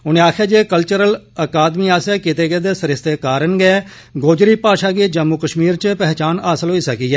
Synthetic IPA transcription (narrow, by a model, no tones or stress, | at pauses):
ʊnẽːaːkʰaːd͡ʒeːkəlt͡ʃəɾəl | əkaːd̪miːaːsɛːkɪt̪eːɡeːd̪eːsəɾɪst̪eːkaːɾənɡɛɛː | ɡoːd͡ʒɾiːpaːʃaːɡiːd͡ʒəmːukəʃmiːɾt͡ʃəpɛɦt͡ʃaːnaːsəlɦoːiːsəkiːɦɛː